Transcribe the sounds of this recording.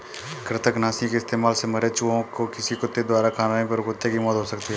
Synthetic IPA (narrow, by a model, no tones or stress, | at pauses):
kɾɪt̪ʰəknaːsĩkeɪst̪eːmaːlseməɾet͡ʃuõkokɪsikʊt̪ːed̪waːɾakʰaːnaːẽpəɾɡʊt̪ːekimɔːt̪ɦoːsəkt̪iɦɛː